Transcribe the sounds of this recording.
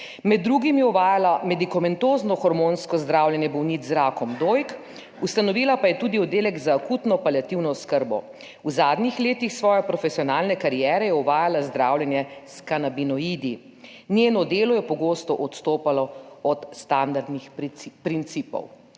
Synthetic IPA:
mɛd̪ːɾuɡimjɛɔʋaːjalamɛd̪ikamɛnt̪oːznɔxɔɾmonskɔzd̪ɾaːwljɛnjɛbɔwnit̪zɾaːkɔmd̪ojk | ust̪anɔʋiːlapajɛt̪uːd̪iɔd̪ːeːlɛɡzaːkuːt̪nɔpaljat̪iwnɔskəɾbɔ̰ | uzaːd̪nʲixleːt̪ixsʋɔːjɛpɾɔfɛsijɔnaːlnɛkaɾijɛːɾɛjɛɔʋaːjalazd̪ɾaːwljɛnjɛskanabinɔid̪i | nʲjeːnɔd̪eːlɔjɛpɔɡoːst̪ɔʔɔt̪st̪oːpalɔɔt̪st̪and̪aɾd̪nixpɾint̪siːpɔ̰w

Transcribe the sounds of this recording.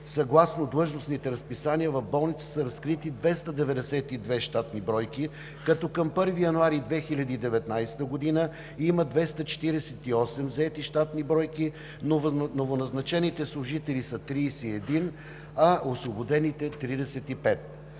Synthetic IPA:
sɐɡlˠasnod̪lˠɤʒnosnit̪ɛɾɐspisaniəvɐvbɔlˠnit̪sə̥səɾɐskɾit̪id̪vɛst̪əd̪ɛvɛd̪ɛsɛt̪id̪vɛʃt̪at̪nibɾɔjki | kɐt̪ɔkəmpɤɾvijɐnuaɾid̪vɛxilʲɐd̪iid̪ɛvɛt̪najst̪əɡod̪inə | iməd̪vɛst̪ət͡ʃɛ̥t̪iɾɛsɛt̪iɔsɛmzɐɛt̪iʃt̪at̪nibɾɔjki | nnovonɐznɐt͡ʃɛnit̪ɛslˠʊʒit̪ɛlisɐt̪ɾiːsɛɛd̪in | ɐʔosvobod̪ɛnit̪ɛt̪ɾid̪ɛsɛt̪ipɛt̪̚

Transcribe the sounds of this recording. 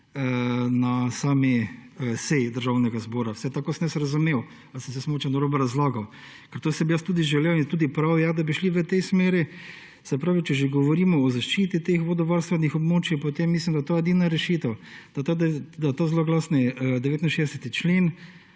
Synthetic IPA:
nasaːmisɛjid̪əɾʒawnɛɡazbɔːɾawsɛt̪akoːsnɛsɾazumew | alsəmsɛsmoːt͡ʃɛnɔɾobɔɾazlaːɡaw | kɛɾt̪oːsɛbijast̪uːd̪iʒɛlewint̪uːd̪ipɾawjad̪abiʃliʋət̪ɛjsmeːɾi | sɛpɾaːʋit͡ʃɛʒeɡɔʋɔɾiːmɔɔzaʃt͡ʃiːt̪it̪exʋɔd̪ɔʋaɾst̪ʋɛnixɔbmoːt͡ʃipɔt̪emːislimd̪at̪oːjɛd̪iːnaɾɛʃiːt̪əwd̪̥at̪od̪at̪ozloɡlaːsnɛd̪ɛʋeːt̪inʃeːd̪ɛsɛt̪it͡ʃleːn

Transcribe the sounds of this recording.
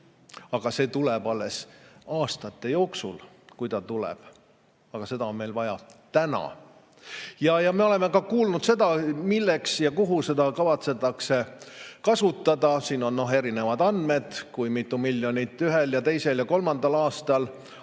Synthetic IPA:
ɑɡ̥ɑse̞ːt̪ulɛb̥ɑlːe̞sɑːst̪ɑt̪ˑːe̞jo̞ːksṵl | kujt̪ɑt̪ulɛ̰b̥ | ɑɡ̥ɑse̞d̪ɑo̞nme̞jlvɑjɑ̰t̪ænɑ̰ | jɑjɑme̞o̞le̞me̞kɑkuːlnud̪̥se̞d̪̥ɑmilːeksjɑkuɦuse̞d̪ɑkɑvɑt̪se̞t̪ːˑɑkse̞kɑsut̪ːˑɑd̪ɑsiːno̞nːo̞ɦe̞ɾine̞vɑd̪ɑnd̪me̞d̪̥kujmit̪ːˑumilːjo̞nʲit̪ːˑyɦeljɑt̪e̞jse̞ljɑko̞lmɑnd̪ɑlɑːst̪ɑl

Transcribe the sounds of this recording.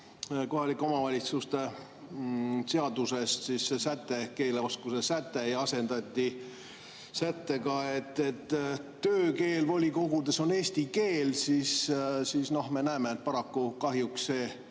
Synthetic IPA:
ko̞ɦɑlʲikːˑo̞mɑvɑlʲit̪sust̪e̞ | se̞ɑd̪use̞st̪sissesæt̪ːˑe̞ke̞ːleo̞skusesæt̪ːejɑɑse̞nd̪̥ɑt̪ʲːi | sæt̪ːe̞kɑe̞t̪ːet̪ː | øːke̞ːlvo̞lʲiko̞ɡ̥ud̪̥eso̞ne̞ːst̪ike̞ːlsissiːsno̞hme̞næːmeet̪̚pɑɾɑkːukɑɦjuksse̞ː

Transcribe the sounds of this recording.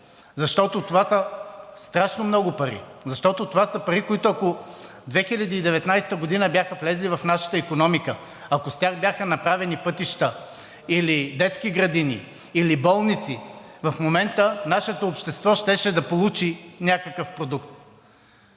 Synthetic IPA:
zɐʃt̪ɔt̪ot̪ovasəst̪ɾaʃnomnɔɡʊpɐɾḭzɐʃt̪ɔt̪ot̪ovasəpɐɾikoit̪ʊɐko | d̪vɛxiʎʲɐd̪iːd̪ɛvɛt̪najst̪əɡod̪inəbʲjaxəflɛzlivɐfnaʃə̥t̪əikonɔmikə | ɐkost̪ʲjaxbjaxənɐpɾavɛnipɤt̪iʃt̪ə | ilid̪ɛt̪skʲiɡɾɐd̪inḭ | ilibɔlˠnit̪sivɐfmomɛnt̪ənaʃɛt̪oːpʃt̪ɛst̪vɔʃt̪ɛʃɛd̪ɐpolˠut͡ʃinʲakəkəfpɾod̪ukt̪

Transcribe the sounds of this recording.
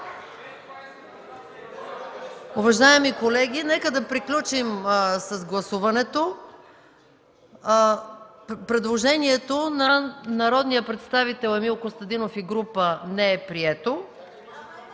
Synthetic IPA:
ʊvɐʒaɛmikolɛɡʲinɛkəd̪ɐpɾiklʲut͡ʃimsɐzɡlˠɐsuvɐnɛt̪o | pɾɛd̪lˠoʒɛniɛt̪onɐnɐɾɔd̪nijəpɾɛt̪st̪avit̪ɛlˠɛmilˠkost̪ɐd̪inofiɡɾupənɛɛpɾiɛt̪o

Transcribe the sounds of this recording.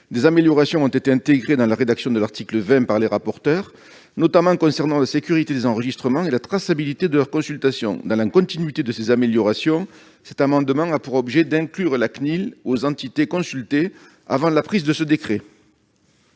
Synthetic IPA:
d̪ezameljɔʁasjɔ̃ɔ̃t̪et̪eɛ̃t̪eɡʁed̪ɑ̃laʁed̪aksjɔ̃d̪əlaʁt̪ikləvɛ̃paʁleʁapɔʁt̪œʁ | nɔt̪amɑ̃kɔ̃sɛʁnɑ̃lasekʲyʁit̪ed̪ezɑ̃ʁəʒist̪χəmɑ̃elat̪χasabilit̪ed̪əlœʁkɔ̃sylt̪asjɔ̰̃d̪ɑ̃lakɔ̃t̪inɥit̪ed̪əsezameljɔʁasjɔ̃ | sɛt̪amɑ̃d̪əmɑ̃apuʁɔbʒed̪ɛ̃ŋklyʁlaknilozɑ̃t̪it̪ekɔ̃sylt̪e | a̰vɑ̃lapχizd̪əsəd̪ekχe

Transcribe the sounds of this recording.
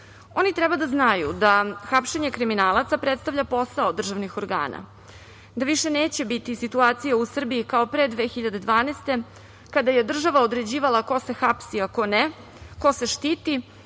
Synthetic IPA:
o̞nit̪ɾɛbad̪aznajud̪axapʃe̞ɲe̞kɾiminaːlˠat̪sapɾet̪st̪avʎʲapo̞saod̪r̩ʒaʋnixo̞ɾɡa̰ːna̰ | d̪aʋiʃe̞ne̞ːt͡ɕe̞bit̪isit̪uaːt̪sijausr̩biikao̞pɾed̪ʋe̞xiʎad̪e̞d̪ʋaːnest̪e̞ | kad̪aje̞d̪r̩ʒaʋaod̪ɾe̞d͡ʑiːʋalˠako̞se̞xapsiakone | ko̞se̞ʃt̪iːt̪i

